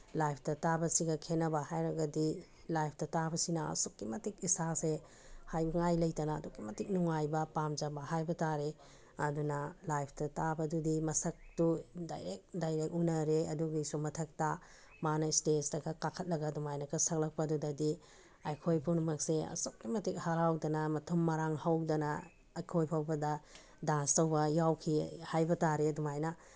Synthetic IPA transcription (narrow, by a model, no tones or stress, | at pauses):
lajpʰtɐtabɐsiɡɐkʰenɐbɐhajɾɐɡɐdi | lajp̚ʰtɐtabɐsinɐɐ̰sokːimɐtik̚isase | hajbɐŋajlɐjtanaːdukːimɐtik̚nuŋajbɐpamd͡ʒabɐhajbɐtaɾe | ɐdunɐlajpʰtɐtabɐdudimɐsɐk̚tuda̰jɾek̚dajɾek̚unɐɾeɐduɡajsumɐtʰɐk̚ta | manɐstesdɐɡɐkakʰɐt̚lɐɡɐdɔmajnɐkɐsɐk̚lɐk̚pɐdudɐdi | ɐjkʰojpʰuwnumɐk̚seɐ̰sok̚imɐtik̚haɾawdɐnɐmɐtʰumːɐɾaŋhawdɐnɐː | jkʰojpʰawbɐdɐ | danstɐwbɐjawkʰihajbɐtaɾedɔmajnɐ